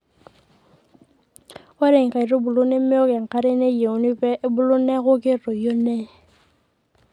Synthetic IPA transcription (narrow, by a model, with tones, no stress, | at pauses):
ɛ˦ɾe˨ŋ̩˨ka˨i˨rʊ˦bʊ˨lʊ˦ne˦mɪ˦ɔ˦kɛ˨ŋ̩˨ka˦ɾe˦ne˦je˨ʊ˨˦nɪ˦pɛ˦ʔbʊ˦lʊ˦nɛ˦ɣʊ˦kɪ˦rɔ˨jo˦nɛ˦